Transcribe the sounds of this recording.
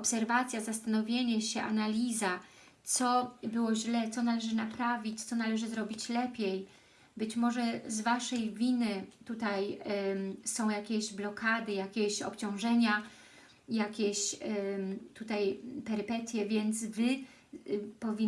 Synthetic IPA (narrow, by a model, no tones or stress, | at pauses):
ɔpsɛɾvat̪sʲjazast̪anɔvʲjeɲɛɕɛʔa̰nalʲiza | t̪sɔbɘwɔʑlɛt̪sɔnalɛʐɘnapɾavʲit͡ɕt̪sɔnalɛʐɘzɾɔbʲit͡ɕlɛpʲjej | bɘt͡ɕmɔʐɛzvaʂɛjvʲinɘt̪ut̪aj | sɔ̃w̃jakʲeʑblɔkad̪ɘjakʲeɕɔ̰pt͡ɕɔ̃w̃ʐɛɲa | ijakʲeɕ | t̪ut̪ajpɛɾɘpɛt̪ʲjɛvʲjɛnt̪svɘ | pɔvʲi